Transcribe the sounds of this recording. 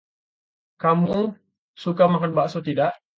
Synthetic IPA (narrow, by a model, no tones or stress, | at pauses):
kamu | sukamakanbaʔsot̪idaʔ